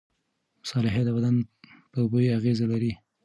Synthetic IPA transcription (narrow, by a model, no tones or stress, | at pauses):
mʊsɑlɪɦed̪əbad̪anpəubojeaɣezalaɾi